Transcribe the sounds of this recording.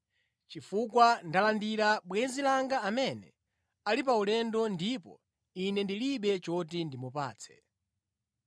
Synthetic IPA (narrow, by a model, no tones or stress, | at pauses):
t͡ʃifukwandalandiɾaɓwɛnzilaŋɡaːmɛnɛ | alip̬aulɛndɔndipɔ̰ | inɛndiliɓɛt͡ʃɔt̬indimupa̰ːt͡sʰɛ̥